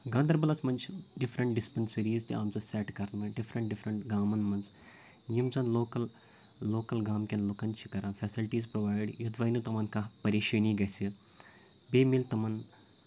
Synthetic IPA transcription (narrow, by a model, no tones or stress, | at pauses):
ɡãːnd̪ɐɾbɐlɐt͡smɐnt͡ʃʰɖɪfɾəɳʈ̚ɖɪspɐnsiɾiːzt̪iaːmzɐsɛʈkɐɾnɨɖifɾɐɳʈ̚ɖɪfɾɐɳʈɡaːmɐnmɐnz | jimzɐnloːkɐlː | oːkɐlɡaːmkʲenlokɐnt͡ʃʰikɐɾãːfʰɛsilʈiːzpɾoʋaːjɖjud̪ʋɐːnut̪ɐmɐnkapɐɾeːʃɐːniːɡɐsi | beːmilt̪ɐmɐn